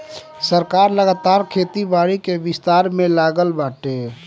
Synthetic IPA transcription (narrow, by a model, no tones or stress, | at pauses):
səɾkaːɾləɡaːt̪aːɾkʰeːt̪ibaːɽikebɪst̪aːɾmẽlaːɡəlbaːʈe